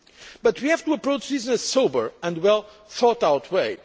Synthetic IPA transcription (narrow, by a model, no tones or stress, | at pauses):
b̥ʌt̪wihæv̥t̪uəpɹoʊt͡ʃdiznɨsoʊbə˞ɨ̃ndwɛlˠ | θɔtaʊtʰweɪ